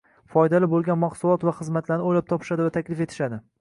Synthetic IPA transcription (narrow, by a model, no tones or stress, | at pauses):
fɒjd̪alɪbolˠɡʲanmaqsʊlˠɒt̪vaχɨzmat̪ʰlaɾnɪolap̚t̪ʰɒpʰɪ̥ʃad̪ɪvat̪ʰakʲlɪfe̞t̪ʰɪ̥ʃad̪ɪ